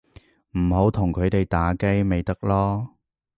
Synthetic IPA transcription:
m̩˨˩ho˨˥wt̪ʰʊ˨˩ŋkʰɵ˨˧ɥt̪e˨jt̪aː˨˥ke˥jme˨˧jt̪ɐ˥k̚lɔː˥

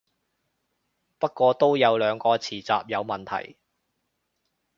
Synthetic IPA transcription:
pɐ˥t̚kʷɔː˧t̪o˥wjɐ˨˧wlœː˨˧ŋkɔː˧t͡sʰiː˨˩t͡sa̰ː˨p̚jɐ˨˧wmɐ˨˩nt̪ʰɐ̰˨˩j

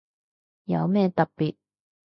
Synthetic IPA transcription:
jɐ̰˨˧wmɛː˥t̪ɐ˨k̚piː˨t̚

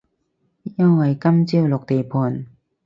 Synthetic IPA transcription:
ja˥ŋwa˨˧˩jkɐ˥mt͡ɕi˥˧wlo˨˩k̚t̪e˨˩pʰo˨˧˩n

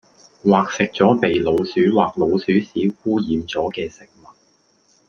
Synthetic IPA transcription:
waː˨˩k̚sɪ˨k̚t͡sɔː˨˥pe˨jlo˨˧wsyː˨˥waː˨k̚lo˨˧wsyː˨˥siː˨˥kuː˥jiː˨˧mt͡sɔː˨˥kɛː˧sɪ˨k̚mɐ˨t̚

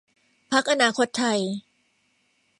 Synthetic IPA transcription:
pʰa˦˥k̚ʔa˧naː˧kʰo˦˥t̪ʰːa˧j

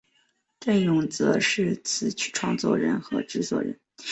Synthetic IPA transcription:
t̪we˥˩ɪnʊ˧˥ŋt͡sɤ̰˧˥ʂɻ̩˥˩t͡sʰɹ̩˨˩t͡ɕʰy̥˥˩ʈ͡ʂʰwɑ̰˥˧ŋt͡swɔ̰˥˩ɻə̰˧˥nxɤ̰˧˥ʈ͡ʂɻ̩˥swɔ̰˨˩ɻə̰˧˥n

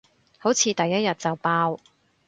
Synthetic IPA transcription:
ho˨˥wt͡sʰiː˨˧t̪ɐ˨jːɐ˥t̚jɐ˨t̚t͡sɐ˨wpaː˧w

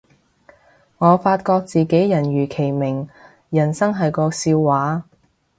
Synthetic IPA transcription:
ŋɔː˨˧faː˧t̚kɔː˧k̚t͡siː˨ke˨˥jjɐ˨˩nɥyː˨˩kʰe˨˩jmɪ˨˩ŋ | jɐ˨˩nsɐ˥ŋɦɐ˨jkɔː˧siː˧wːaː˨˥

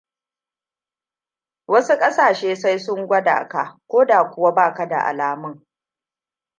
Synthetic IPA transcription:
wɐ˦su˦kʼɐ˦saː˨ʃeː˦sa˦jsʊ˦ŋɡʷɐ˦da̰ː˨ka̰˦kʷoː˦daː˨kʷʊ˦˨wa˦baː˦˨ka˦da̰˨ʔa̰˨laː˨mʊ˦ŋ

